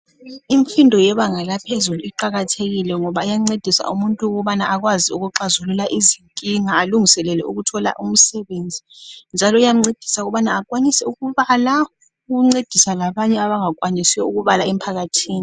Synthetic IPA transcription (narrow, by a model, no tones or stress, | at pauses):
iɱfindʱɔjɛɓaŋalapʰezuluiǃaɣatʰeɣilɛŋɔɓaijaŋ͡ǀed̥ʱisa̰ʔumuntʼukuɓanaʔak̬waziuɣuǃazululaʔiziŋkʼiŋaːluŋisɛlɛlɛuɣutʰɔla̰ʔum̩sɛɓend͡zʱind͡ʒʱalɔujam̩ŋ͡ǀed̥ʱi̥sauɣɔɓanaːkʼwanisɛuɣuβala | ɣuŋ͡ǀed̥ʱisalaɓaɲɛaβaŋakʼwanisɛuɣuβalaɛm̩pʰaɣatʰiːni